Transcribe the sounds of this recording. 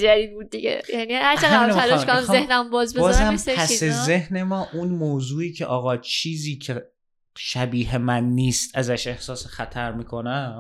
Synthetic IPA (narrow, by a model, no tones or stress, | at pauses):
d͡ʒæd̪iːd̪̚buːd̪̚ːiɡḛjænihæɾt͡ʃææmminæɾɒʃkoæzehnæmbɒːzbebɒːzhæmʰæsezehne̞mɒːʔunmoːzuːiːcʰeʔɒːɣɒːt͡ʃʰiːziːcʰe | ʃæbiːɦe̞mænːiːst̪ʰæzæʃe̞hsɒːsexæt̪ʰæɾmiːkʰo̞næm